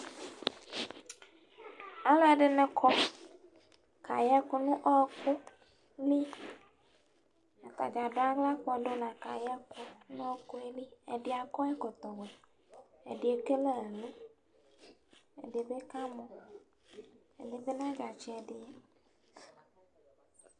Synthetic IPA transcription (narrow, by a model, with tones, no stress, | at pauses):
a˨la˨ɖe˨nɛ̃˦kʰɔ˦ | ka̰˨ja˦ku˦nũ˦ʔɔ˦ku˦ | li˦ | a˨t̪a̰˨d͡ʒa˨ɖo˦a˦ɡla˦k͡pɔ˦ɖo˦nã˨ka̰˨ja˦ku˦nɔ̃˦ko˦e˦li˦e˨ɖi˨˦a˨kɔ˦e˦kɔ˨t̪ɔ˨we˨ | e˨ɖi˨e˨ke˦le˦e˨lu˦ | ḛ˨de˨be˦kã˦mɔ̃˨ | ḛ˨ɖe˨be˦nã˦d͡ʒa˨t͡ʃi˦ɛ˨ɖi˦e˦